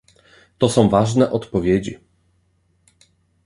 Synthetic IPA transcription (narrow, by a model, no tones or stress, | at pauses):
t̪ɔsɔ̃w̃vaʐnɛʔɔt̪pɔvʲjed͡ʑi